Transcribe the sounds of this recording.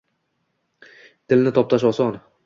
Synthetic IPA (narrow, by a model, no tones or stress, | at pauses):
d̪ʰɪlnɪt̪ʰɒp̚t̪ʰaʃɒsɒn